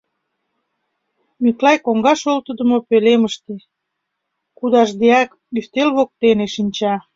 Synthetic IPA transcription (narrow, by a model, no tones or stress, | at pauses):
myklɑjkoŋɡɑʃolt̪əd̪ə̆mopeleməʃt̪e | kud̪ɑʃd̪eɑk | yft̪elβok̚t̪eneʃinʲt͡ɕɑ